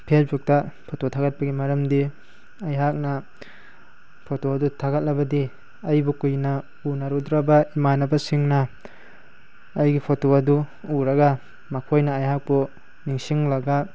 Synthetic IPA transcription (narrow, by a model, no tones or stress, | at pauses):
pʰesbuk̚tapʰototʰaɡɐt̚pɐɡimɐɾɐmdi | ɐjɦak̚nɐ | pʰotoɐdutʰaɡɐt̚lɐbɐdi | ɐjbukujnɐ | unaɾudɾɐbaimanɐbɐsiŋnɐ | jɡipʰotoɐdu | uɾɐɡa | mɐkʰojnɐːjɦak̚bu | niŋsiŋlɐɡa